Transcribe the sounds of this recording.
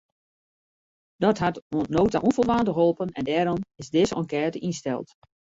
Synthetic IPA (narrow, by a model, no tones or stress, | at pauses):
d̥ɔtɦatonnoːta̰ʔɔnfɔlˠʋaːndəɦolˠpənɛ̰ndɛːɾɔmɪzdɪsɔ̰nkɛːtəʔinstɛ̰lˠt